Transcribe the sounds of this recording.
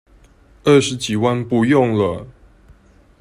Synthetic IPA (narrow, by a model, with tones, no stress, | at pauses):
ə˥˨ʂɻ̩˨˦t͡ɕi˨˩wa˥˧npu˥˧jɔ˥˨ŋlə˨˩